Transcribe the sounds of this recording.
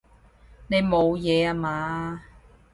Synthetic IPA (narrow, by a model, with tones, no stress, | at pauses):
ne˨˧jmo˨˧wjɛː˨˧a˨˧maː˨˧